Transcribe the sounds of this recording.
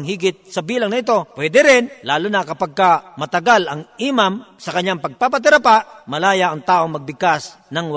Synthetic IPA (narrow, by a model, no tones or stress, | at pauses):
ŋɦiːɡɪt̪̚sɐbiːlɐŋnɐɪt̪o̞pwɛːd̪ɛɾɪnlaːlʊnɐkɐpaɡ̚kamɐt̪ɐɡalɐŋʔimamsɐkɐɲːaŋpɐɡ̚papɐt̪ɪɾɐpaʔmɐlaːjaʔɐŋt̪aːʔoŋmɐɡ̚bɪɡ̚kas | nɐŋw